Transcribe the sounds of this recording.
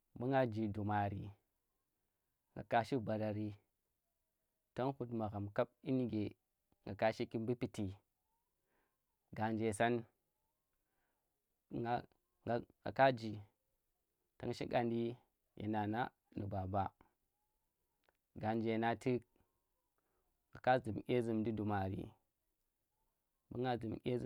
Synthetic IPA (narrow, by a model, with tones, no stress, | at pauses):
bu˦ŋɡa˦d͡ʒi˨du˨ma˨ɾḭ˨ | ŋɡa̰˨ka˦ʃi˦ba˨ɾa˨ɾi˦ | ta˦ŋhu˦tma˨ɣa˨mka˦b̚i˦n˦ɡe˨ | ŋɡa˨ka˦ʃi˦ki˦nbi˦pi˦ti˨ | ɡa˨nd͡ʒe˨sa˦n | a˦ | a˨ŋa̰˨ka˦d͡ʒi˨ | ta̰˦ŋʃi˦ɡa˨ndi˦ | ja̰˨na˨na˦ | nu˨ba˨ba˦ | ɡa˨nd͡ʒe˨na˦ti˦k̚ | ŋɡa˨ka˦zɨ˨m˨ɡʲe˦zɨ˨mdi˦du˨ma˨ɾḭ˨ | bə̰˦ŋɡa˦zɨ˨mɡʲḛ˦z